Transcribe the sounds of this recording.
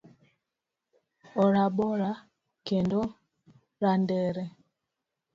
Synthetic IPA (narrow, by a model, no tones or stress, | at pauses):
ɔɾaɓɔɾa | kɛndɔ | ɾandɛɾɛ